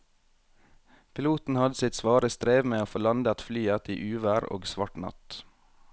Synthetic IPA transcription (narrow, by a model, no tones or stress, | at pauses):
pʰɪluːt̪n̩hɑd̪əsɪt̪sʋɑːɾəst̪ɾeːʋmeːoːfoːlɑnd̪ɑt̪flyːɑt̪ḭːʔʉːʋæːɾo̰ːɡsʋɑʈnɑ̰t̪